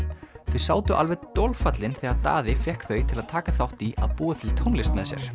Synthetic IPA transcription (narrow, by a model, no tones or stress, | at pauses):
θœɥsaːwt̪ʏʔa̰lvɛt̪olfat̪lɪnθɛɣat̪a̰ːðɪfjɛhkθœɥt̪ʰɪlaðt̪ʰaːkaθawht̪ia̰ðpuːat̪ʰɪlt̪ʰownlɪst̪mɛðsjɛ̰ɾ̥